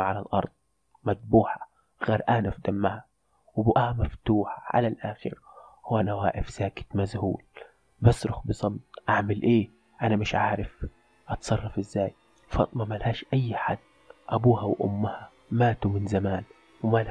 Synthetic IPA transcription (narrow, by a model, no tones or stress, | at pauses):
ʕalalʔɑ̰ɾˤd̪̥̚ˤ | mad̪̚buːħḁ | ɣaːɾʔanafd̪amːaha | wbʊʔaːmaft̪uːħaʕa̰lalʔaːxɪ̰ɾhʊwanawaːʔɪfz̥aːkɪ̥t̪mazhuːl | bɑsːɾʊxbɨsˤɑbt̪̚ˤʔaʕmalʔeː | ʔanamɪʃʕaːʕɾɪf | ʔɑt̪sˤɑrˤːɑfʔɪzːaːj | fɑ̰t̪ˤmamalhaːʃʔajːħad̪ː | ʔabuːhawʔʊ̰mːha | maːt̪umɪnzamaːn | wɪmal